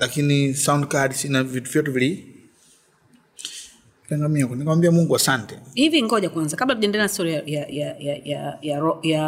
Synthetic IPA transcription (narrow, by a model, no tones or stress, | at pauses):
lakinisaundkadsinavituvjɔtuvili | pɛŋɡamiakunikawambiamuŋɡuasantɛhiviŋɡɔʄakwanzakaɓlakuʄɛndɛɛnastɔɾijajajajajajaɔja